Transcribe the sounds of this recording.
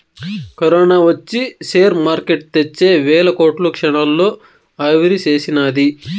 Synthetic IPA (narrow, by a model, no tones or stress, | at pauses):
kɐɾɔːnaːʋɐt͡ʃːiseːɾmaːɾkeʈ̚t̪et͡ʃːeːʋɛːlɐko̞ːʈlukʂɐɳɐlːoː | ɐʋiɾit͡ʃe̞ːsinaːd̪i